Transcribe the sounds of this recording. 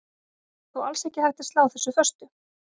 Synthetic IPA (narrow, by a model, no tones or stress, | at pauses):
θualsɛhcɪhajxt̪ɪst̪awθɛsːʏfœst̪ʏ